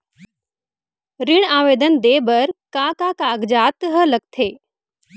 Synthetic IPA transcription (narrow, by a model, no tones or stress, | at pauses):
ɾɪɳ̃aːʋeːd̪ənd̪eːbəɾkaːkaːkaːɡd͡ʒaːt̪ɦələɡ̚t̪ʰeː